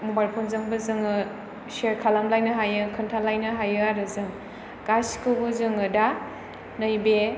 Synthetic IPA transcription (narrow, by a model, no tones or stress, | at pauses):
mobajlpʰonzɯŋbɯzɯŋɯ | seɾkʰalamlajnɯɦajɯkʰɯntʰalajnɯɦajɯaɾɯzɯŋ | kasi̥kʰɯbɯzɯŋɯda | nɯjbe